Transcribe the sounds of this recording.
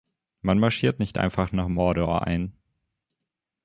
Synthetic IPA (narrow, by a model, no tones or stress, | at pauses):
manmaɐʃiːɐtnɪçtʔa̰ɪnfaχnaːχmɔɐɾɔɐʔa̰ɪn